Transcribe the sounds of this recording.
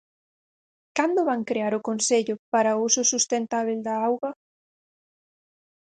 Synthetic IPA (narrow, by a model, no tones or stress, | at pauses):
kand̪ʊβaŋkɾeaɾʊkonseʎʊpaɾausʊsust̪ent̪aβ̞eld̪aawɣɐ